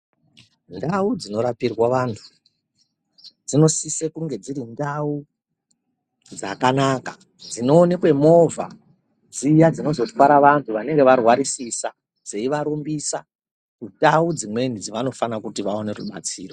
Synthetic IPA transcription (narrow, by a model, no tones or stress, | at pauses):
ndaud͡zino̞ɾapirwaʋantʰu̥ | d͡zino̞sisekuŋɡe̞d͡ziɾindau | d͡zakanaːka | d͡zino̞ːne̞kwe̞mo̞vʱa̰ | d͡zijad͡zino̞zo̞twaɾaʋantʰuʋane̞ŋɡe̞ʋarwaɾisisa | d͡ze̞iʋaɾumbisa | kundaud͡zimwe̞nid͡ziʋano̞fanakutiʋao̞ne̞ruɓa̰t͡siːro